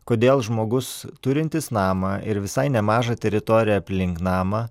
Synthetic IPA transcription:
koːd̪ʲeːlˠʒmoːɡʊst̪ʊɾʲɪnʲt̪ʲɪsnɑːmɐɪɾʋʲɪsɐɪnʲɛmɑːʒɑt̪ʲɛɾʲɪt̪oːɾʲɪjɛɐpʲlʲɪŋknɑːmɐ

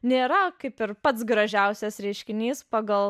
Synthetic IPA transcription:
nʲeːɾɐkɐɪpɪɾpɐt̪sɡɾɐʒʲɛʊsʲɛsɾʲɛɪʃʲkʲɪnʲiːspɑːɡɐlˠ

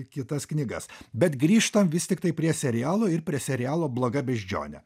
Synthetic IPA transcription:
kʲɪt̪ɐsknʲiːɡɐsbʲɛt̪ɡɾʲiːʃt̪ɐmʋʲɪsʲt̪ʲɪkt̪ɐɪpʲɾʲiɛsʲɛɾʲɪjæːlˠoːɪɾpʲɾʲiɛsʲɛɾʲɪjæːlˠoːblˠoːɡɐbʲɛʒʲd͡ʒʲo̰ːnʲɛ̰

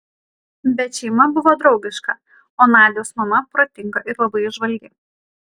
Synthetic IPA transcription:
bʲɛt̪ʃʲɛɪmɐbʊʋoːd̪ɾɒʊɡʲɪʃkɐ | oːnɑːd̪ʲɪjoːsmɐnɐpɾɐt̪ʲɪŋɡɐʔɪɾlˠɐbɐɪɪʒʋɐlʲɡʲɪ

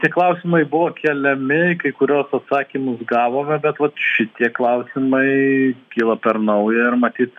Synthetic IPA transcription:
t̪ʲiɛklˠɐʊsʲɪmɐɪbʊʋoːkʲɛlʲɛmʲɪkɐɪkʊɾʲuːsɐt̪sɑːkʲimʊsɡɑːʋoːmʲɛbʲɛt̪ʋɐt̪ʃʲɪt̪ʲiɛklˠɐʊsʲɪmɐɪkʲiːlˠɐpʲɛɾnɐʊjɛɪrmɐt̪ʲiːt̪

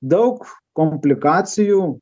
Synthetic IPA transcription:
d̪ɐʊkkɔmʲpʲlʲɪkɑːt̪sʲɪjuː

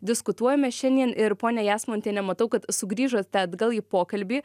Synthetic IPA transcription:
d̪ʲɪskʊt̪uɔjɛmʲɛʃʲɛnʲd̪ʲiɛnʔɪɾpoːnʲɛjæːsmɔnʲt̪ʲeːnʲɛmɐt̪ɐʊkɐt̪sʊɡɾʲiːʒoːtt̪ʲɛd̪ɡɐlˠiːpoːkɐlʲbʲiː

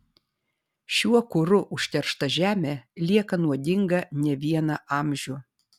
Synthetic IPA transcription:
ʃʲuɔkʊɾʊʔʊʃʲt̪ʲɛɾʃt̪ɐʒʲæːmʲeːlʲiɛkɐnuɔd̪ʲɪŋɡɐnʲɛʋʲiɛnɐʔɑːmʲʒʲʊː

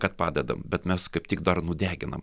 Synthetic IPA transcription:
kɐt̪pɑːd̪ʲɛd̪ɐmbʲɛt̪mʲɛskɐɪptʲɪkd̪ɐrnʊd̪ʲæːɡʲɪnɐ̰m

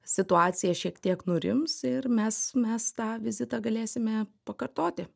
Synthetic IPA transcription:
sʲɪt̪ʊɑːt̪sʲɪjɛʃʲiɛkt̪ʲiɛknʊɾʲɪ̰msɪrmʲɛsmʲɛst̪ɑːʋʲɪzʲɪt̪ɑɡɐlʲeːsʲɪmʲɛpɐkɐrt̪oːt̪ʲɪ

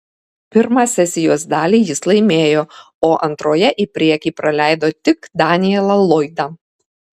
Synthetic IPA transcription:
pʲɪɾmɑːsʲɛsʲɪjoːsd̪ɑːlʲiːjɪslˠɐɪmʲeːjoː | oːʔɐnt̪ɾoːjɛʔipʲɾʲiɛkʲiːpɾɐlʲæˑɪd̪oːt̪ʲɪkd̪ɑːnʲɪjɛlˠɐlˠɔɪd̪ɑ

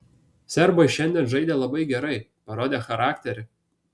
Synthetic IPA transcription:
sʲɛɾbojʃʲɛnʲd̪ʲɛnʒɐɪd̪ʲelˠɐbɐɪɡʲɛɾɐɪpɐɾoːd̪ʲeːxɐɾɑːkt̪ʲɛɾʲɪ

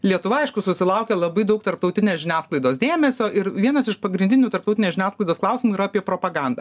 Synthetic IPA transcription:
lʲiɛt̪ʊʋɐɐɪʃkʊsʊsʲɪlˠɐʊkʲɛlˠɐbɐɪd̪ɐʊk̚t̪ɐɾpt̪ɐʊt̪ʲɪnʲeːsʒʲɪnʲæːsklˠɐɪd̪oːsd̪ʲeːmʲɛsʲoːʔɪɾʋʲiɛnɐsɪʃpɐɡɾʲɪnʲd̪ʲɪnʲuːt̪ɐɾrpt̪ɐʊt̪ʲɪneːʒʲɪnʲæːsklˠɐɪd̪oːsklˠɐˑʊsʲɪmuiːɾɐɐpʲiɛpɾoːpɐɡɑnd̪ɐ

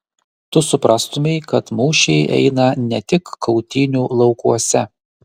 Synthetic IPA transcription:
t̪ʊsʊpɾɑːst̪ʊmʲɛɪkɐt̪muːʃʲɛɪʔɛ̰ɪnɐnʲɛt̪ʲɪkʰːɒʊt̪ʲiːnʲuːlˠɒʊkuɔsʲɛ

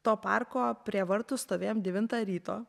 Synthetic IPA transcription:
t̪oːpɑ̰rkoːpʲɾʲiɛʋɐɾt̪ʊst̪oːʋʲeːjomd̪ʲɛʋʲɪnt̪ɑːɾʲiːt̪oː

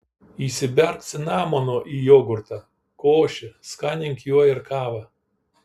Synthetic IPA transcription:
iːsʲɪbʲɛɾk̪sʲɪnɑːmoːnoːʔiːjoːɡʊɾt̪ɑ | koːʃʲɪskɑːnʲɪŋʲkjuɔɪɾkɑːʋɐ

